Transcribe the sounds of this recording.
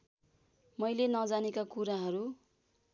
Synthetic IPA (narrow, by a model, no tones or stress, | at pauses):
mʌjlenʌd͡zanekakuɾaɦʌɾu